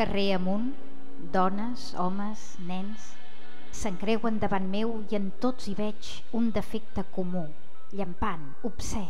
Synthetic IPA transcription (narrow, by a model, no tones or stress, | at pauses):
kəreəmun | d̪ɔnəz | ɔ̰məz | nɛns | səŋkɾɛwənd̪əβanmewiənt̪oziβɛt͡ʃ | und̪əfɛk̚t̪əkumu | ʎəmpan | upsɛ